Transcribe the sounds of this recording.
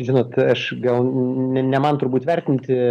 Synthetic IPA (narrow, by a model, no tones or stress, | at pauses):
ʒʲɪnoːt̪ɐʃɡɐlˠnʲɛnʲɛmɐnt̪ʊɾrbuːt̪ʲʋʲɛrʲt̪ʲɪnʲt̪ʲɪ